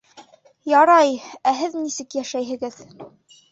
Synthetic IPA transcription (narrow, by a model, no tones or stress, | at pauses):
jɑɾɑjæɦɘðnisɘkjæʃæjɦɘ̆ɡɘð